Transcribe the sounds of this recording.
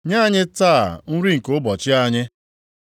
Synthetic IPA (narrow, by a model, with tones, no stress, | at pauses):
ɲa˦˨ɲɪ˦taː˦˨n̩˦ɾi˦ŋ̩˨ko˦bɔ˨t͡ʃɪ˦a˦ɲɪ˦